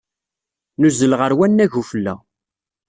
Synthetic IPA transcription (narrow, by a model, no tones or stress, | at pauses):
nuzəlʁəɾwænːæʝufəlːæ̰